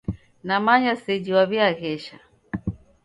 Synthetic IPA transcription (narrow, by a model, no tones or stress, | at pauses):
namaɲasɛd͡ʒiwaβiaɣɛʃa